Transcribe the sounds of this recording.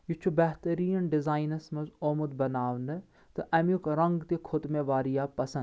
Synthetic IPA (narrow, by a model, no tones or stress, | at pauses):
jut͡ʃʰubɛɦt̪ɐɾiːjɐnɖɪzaːinɐsmɐzoːmud̪bɐnaːʋnɨ | t̪ɨʔɐmjukɾɐŋɡt̪ikʰot̪meʋaːɾijaːpɐsɐ̃n